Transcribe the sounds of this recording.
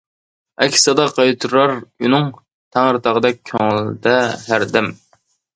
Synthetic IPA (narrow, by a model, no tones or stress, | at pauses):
ɛkʲʰsɑd̪ɑqʰɑjt̪ʰuɾɾɑɾynɨŋ | t̪ʰæŋɾɨt̪ʰɑʁəd̪ɛk̚ʲkʲʰːøŋlɪd̪ɛɦæɾd̪ɛm